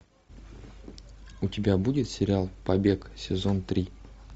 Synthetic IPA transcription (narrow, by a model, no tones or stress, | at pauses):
ʊtʲɪbʲabudʲɪt̪sʲɪɾʲɪalˠpɐbʲe̞ksʲɪzont̪ɾʲi